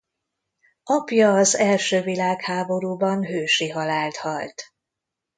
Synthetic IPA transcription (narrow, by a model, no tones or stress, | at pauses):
ɒpjɒːzɛlʃøːvilaːkhaːbo̞ɾuːbɒnɦøːʃiɦɒlaːlt̪hɒlt̪